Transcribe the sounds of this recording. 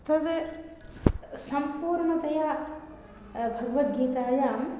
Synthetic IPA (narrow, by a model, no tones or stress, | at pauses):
t̪ɐd̪ | sɐmpuːɾɳɐt̪ɐjaː | bʱuʋɐt̪ɡiːt̪ɐɾɐjaːm